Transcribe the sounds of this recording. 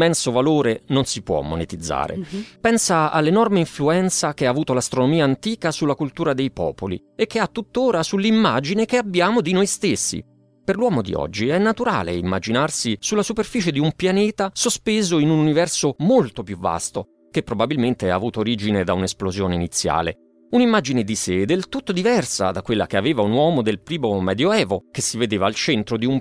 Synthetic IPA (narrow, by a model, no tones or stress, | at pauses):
mɛnsovaloːɾenonsipwɔ̰mːonet̪id̪zːa̰ːɾḛpɛnsaa̰lːenɔrmeiɱfluɛnt̪sakeaːvuːt̪olast̪ɾonomiːaːnt̪iːkasulːakult̪uːɾad̪ejpɔ̰ːpolḭekːeat̪ːut̪ːoːɾasulːimːaːd͡ʒinekeabːjaːmod̪inojst̪esːḭ | perlwɔːmod̪ḭɔ̰d͡ʒːiɛnːat̪uɾa̰ːlḛimːa̰d͡ʒinarsisulːasuperfiːt͡ʃed̪iumpjanɛːt̪asospeːzoinununivɛrsomolt̪opjuvːa̰st̪o | kepːɾobabilment̪ea̰ːvuːt̪oːɾiːd͡ʒined̪aunesplozjoːneinit̪sːja̰ːlḛ | unimːad͡ʒined̪ised̪elt̪ut̪ːod̪ivɛrsa̰d̪akwelːakeaveːvaunwɔːmod̪elpɾiːmomɛːd̪joɛːvokesːived̪eːvaːlt͡ʃɛnt̪ɾod̪ium